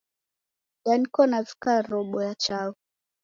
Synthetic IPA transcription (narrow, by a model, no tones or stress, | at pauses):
ɗanikɔnavi̥kaɾɔɓɔjat͡ʃaɔ